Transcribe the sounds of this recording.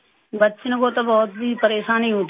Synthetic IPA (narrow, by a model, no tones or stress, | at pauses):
bətːʃnebot̪abɔːt̪̚bipəɾeːʃãːnɦĩːɦoːt̪